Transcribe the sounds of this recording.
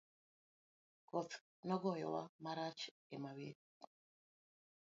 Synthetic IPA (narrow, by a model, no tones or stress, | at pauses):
kot͡sk | nɔɡojɔ̰la̰maɾaːt͡ʃ | ɛmawi